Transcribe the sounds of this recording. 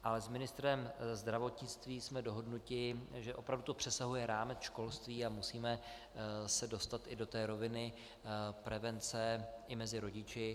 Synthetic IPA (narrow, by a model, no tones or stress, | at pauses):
ʔalɛzmɪnɪst̪ɾɛmzd̪ɾavo̞t̪ɲɪt͡st̪viːsmɛdo̞ɦo̞dnucɪʒɛʔo̞pɾavdut̪opr̥ɛsaɦujɛɾaːmɛt͡sʃko̞lst̪viːamusiːmɛ | sɛdo̞st̪at̪ʔɪdo̞t̪ɛːɾo̞vɪnɪ | pɾɛvɛnt͡sɛʔɪmɛzɪɾo̞ɟɪt͡ʃɪ